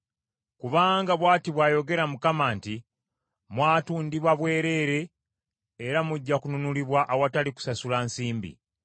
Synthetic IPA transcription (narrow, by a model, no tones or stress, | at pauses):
kuβaːŋɡaβwaːtiβwaːjo̞ɡe̞ɾamukamaːnti | mwaːtuːndiβwaβwe̞ːɾe̞ːɾe̞ː | ɾamuɟːakununuliβwaʔawataliku̥sasulansiːmbḭ